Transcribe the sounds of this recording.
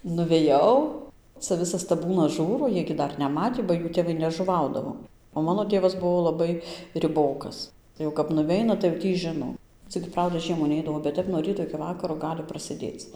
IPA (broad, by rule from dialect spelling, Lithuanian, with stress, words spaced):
nʊʋʲɛˈjɛʊ t͡sɐ ˈʋʲɪsɐs tɐˈbuːnɐs ˈʒuːroː ˈjiɛj ɡʲɪ ˈdɐr nʲɛˈmɑːtʲiː bɐ ˈjuː tʲeːˈʋɐɪ nʲɛʒʊˈʋɐʊdɐʋoː oː ˈmɑːnoː ˈtʲeːʋɐs ˈbuɔ lˠɐˈbɐɪ rʲɪˈboːkɐs jɛʊ kɐp nʊˈʋʲɛɪnɐ tɐɪ jɛʊ ˈtʲiː ˈʒʲɪnoː ˈt͡sʲɪk ˈprɐʊdɐ ˈʒʲiɛmuː ˈnʲɛɪdɐʋoː bʲɛt ˈtʲɛp nuɔ ˈrʲiːtoː ɪkʲɪ ˈʋɑːkɐroː ˈɡɑːlʲɪ prɐsʲeːˈdʲeːt͡s